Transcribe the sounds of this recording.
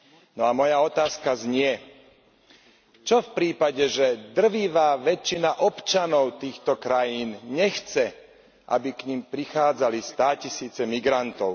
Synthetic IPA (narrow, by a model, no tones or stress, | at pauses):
nɔamɔjaɔt̪aːskazɲɪɛ | t͡ʃɔfpɾiːpaɟɛʒɛd̪r̩ʋiːʋaːʋɛt͡ʃːinaʔɔpt͡ʃanɔʊt̪iːxt̪ɔkɾajiːnɲɛxt͡sɛ | ʔa̰bikɲimpɾixaːd͡zalist̪aːcisiːt͡sɛmiɡɾant̪ɔʊ